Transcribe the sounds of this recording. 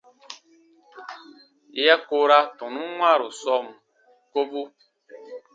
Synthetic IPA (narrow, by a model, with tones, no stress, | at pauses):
i˦ja˦ko˦ɾa˦tɔ̃˨nũ˦ŋwa˦˨ɾu˨sɔ˦˨m˨ | ko˦bu˦